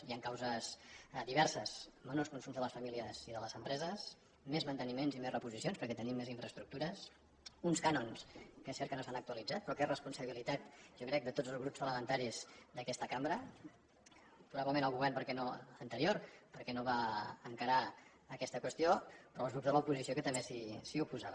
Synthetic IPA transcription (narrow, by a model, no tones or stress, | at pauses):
iaŋkawzəsd̪iβɛɾsəzmənoskunsumzðələsfəmiliəziðələzəmpɾɛzəs | mezmənt̪ənimenzimezrəpuzisionspəɾkɛt̪ənimːeziɱfɾəst̪ɾuk̚t̪uɾəs | unskanonskesɛɾtkənosanək̚t̪uəlid͡zat̪̚pɾɔkerəspunsəβilit̪at̪ʒɔkɾɛk̚d̪ət̪od͡zəlˠzɣɾupspələmənt̪aɾizd̪əkɛst̪əkambɾə | pɾuβaβləmẽnəlˠɣuβɛɾnpəɾkɛnoənt̪əɾioɾpəɾkɛnoβaəŋkəɾaː | kɛst̪əkwəst̪iopɾɔːlˠɣɾupzðələupuzisijokət̪əmbesisiupuzaβ